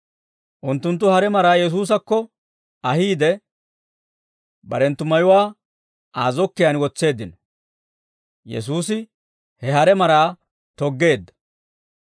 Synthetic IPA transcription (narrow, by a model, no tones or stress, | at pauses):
ʔʊnt̪ːʊnt̪̬ːʊhɐɾɛmɐɾaːjɛs̬uːs̬ɐkːɔ | ɐhiːd̪ɛ | bɐ̰ɾɛnt̪ːʊmɐjʊwaː | aːzɔkːɪjanwɔt͡sːe̞ːd̪ːɪnɔ | jɛ̰suːsɪ | hɛhɐɾɛmɐɾaː | t̪ɔɡːe̞ːd̪ːɐ̥